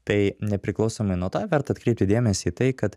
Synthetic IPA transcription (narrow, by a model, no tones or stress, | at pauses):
t̪ɐɪnʲɛpʲɾʲɪklˠɐʊsoːmɐɪnuɔt̪ɑːʋʲɛɾt̪ɐːɐt̪kɾʲɛɪp̚ʲt̪ʲɪd̪ʲeːmʲɛsʲiːt̪ɐɪkɐt̪